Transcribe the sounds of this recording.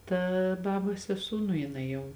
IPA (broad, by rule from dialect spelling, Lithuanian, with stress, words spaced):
ˈtɐ ˈbɑːboːs sʲɛˈsuː nʊ jɪˈnɐɪ jɛʊ